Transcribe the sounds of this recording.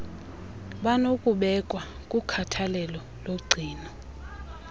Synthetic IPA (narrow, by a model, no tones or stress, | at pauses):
ɓanokʼuɓɛkʼwa | kʼukʰatʰalɛlɔ | loɡ͡ǀʱiːnɔ